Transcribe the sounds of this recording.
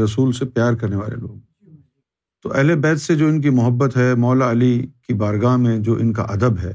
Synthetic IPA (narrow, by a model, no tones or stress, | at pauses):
ɾɐsuːlsepjaːɾkɐɾneʋa̰ːlḛlo̰ːɡ̚ | t̪oʔɛɦlebɛːt̪sed͡ʒoːɪnk̬imʊɦəbːət̪ɦɛmɔːlaɐlikibaːɾɡaːmẽd͡ʒoːʔɪnka̰ʔɐd̪əbɦɛː